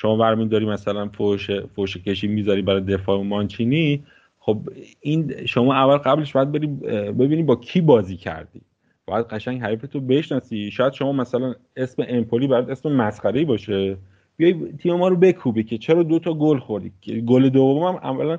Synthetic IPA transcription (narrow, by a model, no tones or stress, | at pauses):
ʃomɒːbæɾmid̪ɒːɾiːmæsælænfoʃefoʃecʰe̞ʃiːmizɒɾibæɾɒjd̪e̞fɒːemɒnt͡ʃʰiːni | xobinʃomɒːævːælɢæble̞ʃbɒjæd̪̚be̞ɾiːbe̞biːniːbɒːcʰiːbɒːziːcʰæ̰ɾd̪̥ḭː | b̥ɒːjæd̪̚ɢæʃæɲŋɟɦæɾifet̪ʰobe̞ʃnɒːsiːʃɒːjæd̪̥ʃo̞mɒːmæsælæn | e̞sme̞ʔempʰoliːbæjæd̪esme̞mæsχæɾe̞ibɒːʃe | b̥ijɒjt̪ʰiːme̞mɒːɾobe̞kʰuːbicʰe̞t͡ʃʰeɾɒːd̪ot̪ʰɒɡolxo̞ɾd̪iːeɡole̞d̪ovomomæmʔæ̰vːælæn